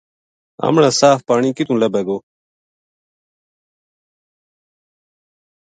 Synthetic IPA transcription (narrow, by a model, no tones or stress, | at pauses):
a̰mlaːsaːfpaːɳiːkit̪ũːlɐbeɡoː